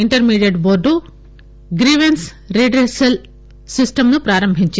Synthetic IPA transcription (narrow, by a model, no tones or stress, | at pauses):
iɳʈɐɾmiːɖijeɖboːɾɖu | ɡɾiːʋens | ɾiɖɾesɐl | sisʈɐmnupɾaːɾɐmbʱiɲt͡ʃ